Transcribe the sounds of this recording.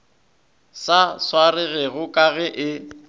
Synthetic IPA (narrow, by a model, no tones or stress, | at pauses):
saswaɾɪɣɛɣʊkʼaɣɛʔɪ